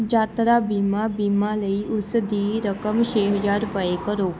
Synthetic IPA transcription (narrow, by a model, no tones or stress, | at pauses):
d͡ʒat̪ɾabimãbimãləiʔʊsəd̪ʱiɾəkəmʃeɦəd͡ʒaɾpəekəɾo